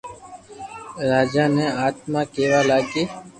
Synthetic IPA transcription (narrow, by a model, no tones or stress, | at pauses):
ɾaːd͡ʒaːnẽːaːt̪mãːkeːʋaːlaːɡeː